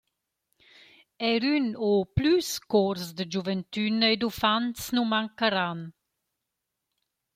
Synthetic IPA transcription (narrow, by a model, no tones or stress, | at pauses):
ɛɾynoplyskɔɾsd̪əd͡ʒuvənt̪ynəed̪ufant̪snumaŋkəɾan